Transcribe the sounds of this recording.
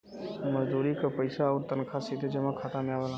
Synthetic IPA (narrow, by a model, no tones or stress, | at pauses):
məzd̪uːɾikapəɪsaɔːɾt̪ənkʰasid̪ʱed͡ʒemãkʰaːt̪ãmɪjaʋəlã